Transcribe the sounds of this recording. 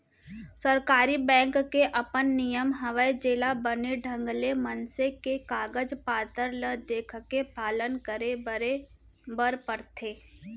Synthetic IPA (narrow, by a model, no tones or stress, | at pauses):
səɾkaːɾibɛ̃ːŋkːeʔɐpənːijəmɦɐʋəid͡ʒeːlabəneɖʱə̃ŋɡlemənsekekaːɡəd͡ʒpaːt̪əɾləd̪eːkʰkepaːlənkəɾeɾe | bəɾpəɾt̪ʰeː